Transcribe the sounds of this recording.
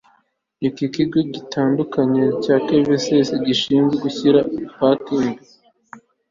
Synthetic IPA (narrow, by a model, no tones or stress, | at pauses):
ikikiɡoɟitʰaːndukaɲecaːkeveseseɟiʃiːnzɡweɡuçiɾapakiŋbi